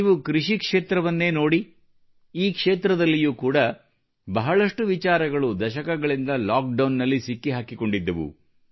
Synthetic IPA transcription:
iʋukɾiʂikʂe̞ːt̪ɾɐʋɐnːe̞ːno̞ːɽi | iːkʂeːt̪ɾɐd̪ɐlːijuːkuːɽɐ | bɐɦɐɭɐʂʈuʋit͡ʃaːɾɐɡɐɭud̪ɐʃɐkɐɡɐɭind̪ɐlaːk̚ɖɐwnːɐlːisikːiɦaːkiko̞ɳɖid̪ːɐʋṵ

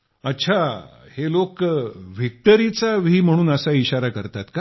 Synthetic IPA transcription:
ətːɕʰahelokʋik̚ʈəɾit͡saʋiːm̤əɽ̃uːnəsaiɕaɾakəɾt̪at̪ka

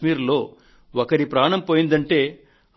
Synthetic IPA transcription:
miːɾlo̞ː | ɔkɐɾipɾaːɳɐmpoːjind̪ɐɳʈe̞ː

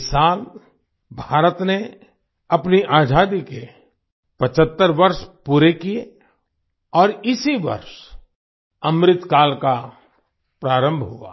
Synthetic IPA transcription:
saːl | bʱaːɾət̪ne | ɐpniʔaːd͡ʒaːd̪ike | pɐt͡ʃʰət̪ːəɾʋɐɾʃpuːɾekije | ɔːɾɪsiʋɐ̰ɾʃ | ɐmɾɪt̪kaːlka | pɾaːɾə̃mbʱɦua̰ː

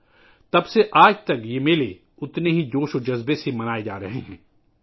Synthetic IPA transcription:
t̪ɐbseʔaːd͡ʒt̪ɐkjeːmeːle | ʊt̪neɦid͡ʒoːʃod͡ʒɐzbesemɐnaːed͡ʒa̰ːɾɐɦḛɦɛ̃ː

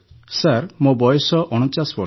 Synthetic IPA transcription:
saɾmobɔjɔsɔʔɔɽ̃ɔt͡ʃasbɔ

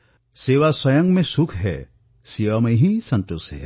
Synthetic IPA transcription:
seːʋaswɐjə̃ŋɡmẽsʊkʰɦɛ̰ | siːʋamẽɦĩsɐ̃nt̪usɦɛ

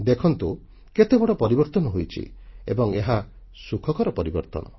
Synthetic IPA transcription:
d̪ekʰɔnt̪u | ket̪ebɔɽɔpɔɾibɔɾt̪ɔnɔɦojt͡ʃʰḭḛbɔŋeɦa | sukʰɔkɔɾɔpɔɾibɔɾt̪ɔ̰nɔ̰

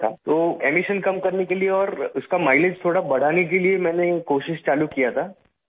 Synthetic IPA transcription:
t̪ʰa̰ːt̪oːeːmɪʃənkɐmkɐɾnekelieɔːɾʊskamaːɪled͡ʒt̪ʰoːɽabɐɽ̤aːnek̬eliemɛ̃ːnekoːʃɪʃt͡ʃaːlukijat̪ʰaː

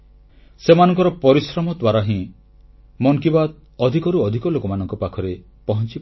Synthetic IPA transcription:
semanɔŋkɔɾɔpɔɾisɾɔmɔd̪waɾaɦĩ | mɔŋkibad̪̚ | ɔd̪ʱikɔɾuɔd̪ʱikɔlokɔmanɔŋkɔpakʰɔɾe | pɔɦɔnt͡ʃip

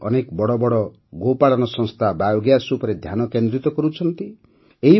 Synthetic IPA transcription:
ɔ̰nekɔbɔɽɔbɔɽɔ | ɡopaɽɔnɔsɔ̃ŋst̪ʰabajoɡjasupɔɾed̪ʱjanɔkend̪ɾit̪ɔkɔɾut͡ʃʰɔnt̪i | eɦi

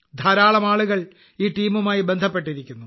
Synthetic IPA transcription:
d̪ʱɐɾaːɭɐmaːɭuɣɐɭ | iːʈiːmumaːjibe̞nd̪ʱɐpːe̞ʈːiɾikʲːunːu

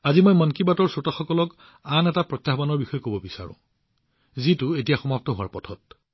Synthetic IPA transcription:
azimojmɔnkibatɔɹsotaxɔkɔlɔk | anɛtapɹɔt̪jaɦbanɔɹbixɔjɛkobɔbisa̰ɹʊ̰̃ | zitʊetijaxɔmap̚tɔɦʊwa̰ɹpɔtʰɔt̚

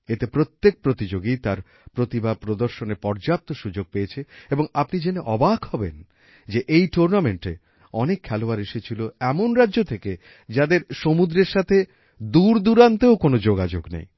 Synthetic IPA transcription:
et̪epɾot̪ːek̚pɾot̪id͡ʑoɡit̪aɾ | pɾot̪ibapɾod̪oɾʃonepɔɾd͡ʑap̚t̪oʃud͡ʑoɡ̚pejet͡ɕʰeeboŋapnid͡ʑeneʔɔbakʰɦɔbḛn | d͡ʑeʔejʈuɾnameɳʈḛ | ɔnekʰːɛloaɾeʃet͡ɕʰiloɛmonɾadːʑot̪ʰeke | d͡ʑad̪eɾʃomud̪ɾeɾʃat̪ʰe | d̪uɾd̪uɾant̪eokonod͡ʑoɡad͡ʑo̰ɡnḛj

